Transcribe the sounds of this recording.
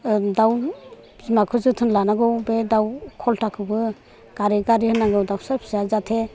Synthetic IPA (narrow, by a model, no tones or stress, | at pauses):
daw | zmakʰɯzɯtʰɯnlanaɡɯwbedawkʰɔltakʰɯbɯ | ɡ̥aɾiɡaɾihɯnaɡɯwdawsaɾpʰsazatʰe